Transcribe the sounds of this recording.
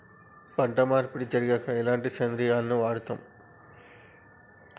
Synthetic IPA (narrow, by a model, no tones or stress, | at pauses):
pɐɳʈɐmaːɾpiɽid͡ʒɐɾiɡɐkɐilaːɳʈisend̪ɾijaːlɐnuʋaːɽt̪ɐm